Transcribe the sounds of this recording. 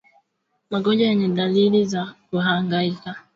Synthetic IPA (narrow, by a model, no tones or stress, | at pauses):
maɡɔd͡ʒaeɲɛdalilizakuɦaŋɡaika